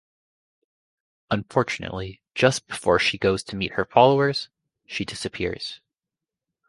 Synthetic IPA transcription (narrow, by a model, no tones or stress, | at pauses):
ə̃ɱfɔɹt͡ʃɨnɨ̰ʔˡli̥ | d͡ʒʌsb̥ɨfɔ̰ɹʃiɡoʊz̥tʰɨmit̚hə˞fɑlˠoʊə˞z̥ | ʃidɪsɨpʰɪ̰ɹz̥